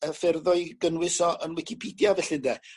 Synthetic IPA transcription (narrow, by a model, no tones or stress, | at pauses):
əfɛrðɔɨɡənwɪsɔʔənwɪkʰɪpʰidjavɛɬɪndɛ